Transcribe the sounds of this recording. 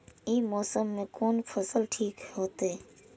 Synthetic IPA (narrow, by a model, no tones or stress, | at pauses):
ĩːmoːsəmːẽːkoːnfʰəsəlʈʰiːkɦoːt̪eː